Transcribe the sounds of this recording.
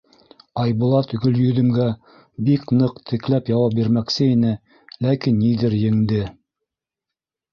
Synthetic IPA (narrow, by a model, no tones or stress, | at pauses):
ɑjbulˠɑt̪ɵ̆ɡɵ̆ljɵ̆ðɘ̆mɡæ | biknɤqt̪ʰɘ̆klæpjɑwɑp̚biɾmæksɘinɘ | lækinːiðɘɾjɘ̆ŋd̪ɘ